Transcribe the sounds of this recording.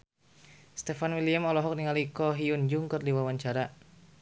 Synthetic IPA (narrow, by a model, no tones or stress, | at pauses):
st̪ɛfanwiliamɔlɔɦɔk̚niŋalikɔɦiund͡ʒuŋkɨrdiwawaɲt͡ʃaɾa